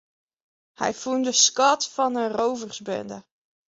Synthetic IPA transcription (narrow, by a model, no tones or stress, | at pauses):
hɛ̰jfundəskɑtfɑnənrowvərzbɪ̰ndə